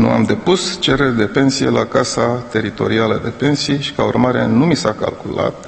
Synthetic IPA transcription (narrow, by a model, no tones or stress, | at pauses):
nṵa̰md̪e̞pust͡ʃe̞ɾerd̪e̞pe̞nsije̞lakasat̪e̞ɾit̪o̞̰ɾialəd̪e̞pe̞nsijʃi̥kaṵrmaɾe̞̰numisaka̰lkula̰t̪̚